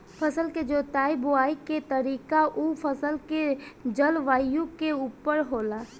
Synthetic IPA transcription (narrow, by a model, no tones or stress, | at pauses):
pʰəsəlked͡ʒoːt̪aːibʊaːiket̪əɾiːkaʔupʰəsəlked͡ʒəlʋaːjjũkeuːpəɾɦoːlaː